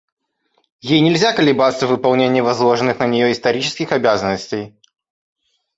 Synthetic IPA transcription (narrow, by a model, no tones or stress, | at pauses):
jejnʲɪlʲzʲakəlʲɪbat̪sɐvɨpalˠnʲenʲːɪjəvazlˠɔʐənɨxnɐnʲɪjɔist̪ɐɾʲit͡ʃɪ̥skʲixabʲazənəsʲt͡sʲej